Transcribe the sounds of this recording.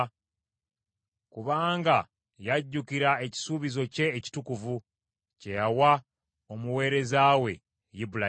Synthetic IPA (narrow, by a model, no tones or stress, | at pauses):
kuβaːŋɡa | jaɟːukiɾae̞ci̥suːβizo̞ce̞ːci̥tukuvu | ce̞jawa | omuwe̞ːɾe̞zawe̞ | jibula